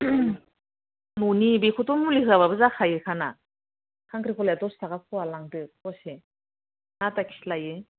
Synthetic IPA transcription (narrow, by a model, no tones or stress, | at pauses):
nunibekʰutɔmuliɦɯaβabɯzakʰajɯkʰana | kʰaŋkɾikʰɔlajatɔstakakʰɔwalaŋdɯɔse | natakʰi̥slajɯ